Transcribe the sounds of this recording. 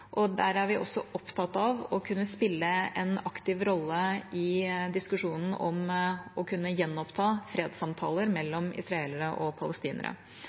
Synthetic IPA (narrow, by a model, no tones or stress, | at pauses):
ʔɔd̪æɾæɾʋɪʔɔ̰sːɔɔpt̪ʰɑt̪ːɑʋɔkʰʉnːəspɪlːəɛnɑkt̪ɪʋɾɔlːəɪd̪ɪskʉʂuːnn̩ʔɔ̰mɔkʰʉnːəjɛnːɔpt̪ʰɑːfɾeːd̪sɑmt̪ʰɑ̰ːləɾmɛlːɔmɪ̰sɾɑeːləɾəʔɔpʰɑləst̪iːnə̰ɾə̰